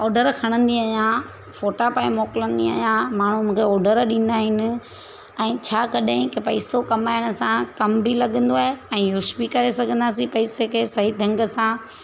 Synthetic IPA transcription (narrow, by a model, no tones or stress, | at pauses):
ɔːɖəɾkʰɐɽ̃ə̃nd̪iɐjã | foːʈapaːĩmɔːkɪlə̃nd̪iɐ̰jãmaːɳ̤ũmũːkʰeɔːɖəɾɗĩːn̆d̪aːɦɪnɪ̆ | ɛ̃ːt͡ɕʰaːkɐɗɪ̃kepɐisokɐmaːɪɽ̃ə̆sãkɐmbʱilɐɠə̃nd̪oaːɦeɛ̃ːjʊʃbikɐɾesɐɡʱə̃nd̪aːs̬ĩpɐisekʰeːsɐɦid̪ʱɐ̃ŋɡəsã